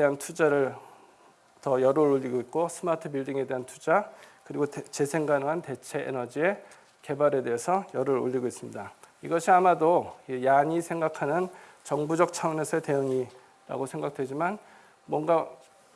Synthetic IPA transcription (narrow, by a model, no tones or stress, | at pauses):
eɦantʰud͡ʑaɾɯɭ | tʌjʌɾoɾoʎːiɡoit̚k͈osʰɯmatʰɯbiɭdiŋe̞de̞ɦantʰud͡ʑakɯɾiɡot͡ɕesʰe̞ŋɡanɯŋɦante̞t͡ɕʰe̞ʔḛnʌd͡ʑie̞ | ke̞baɾe̞de̞ɦesʰʌjʌɾɯɾo̰ʎːiɡois͈ɯmɲidaiɡʌɕʰiamadoijaɲisʰe̞ŋɡakʰanɯn | t͡ɕʌŋbud͡ʑʌk̚t͡ɕʰaʌnesʰʌte̞jɯŋi | ɾa̰ɡosʰe̞ŋɡak̚d̥we̞d͡ʑiman | mwʌnɡa